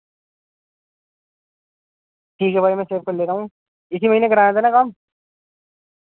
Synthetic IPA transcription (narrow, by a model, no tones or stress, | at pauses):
ʈʰiːkɦɛbaːimɛ̃ːseːb̚kɐɾleːɾaːɦũ | ɪsimɐɦiːnẽkɐɾãːẽːt̪aːnãkaːm